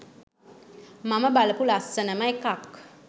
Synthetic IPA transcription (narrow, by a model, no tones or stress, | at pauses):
maməbaləpulasənəməekak